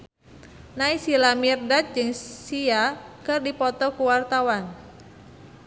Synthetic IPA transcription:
naisilamirdat̪̚d͡ʒɨŋsiakɨrdipɔt̪ɔkuwart̪awan

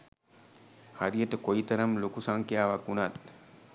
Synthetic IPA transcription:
haɾijəʈəkoit̪ɐɾɐmlokusaŋkijaːʋakunat̪

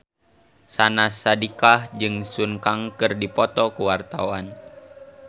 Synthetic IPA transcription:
sanasːadikahd͡ʒɨŋsunkaŋkɨrdipɔt̪ɔkuwart̪a̰wan

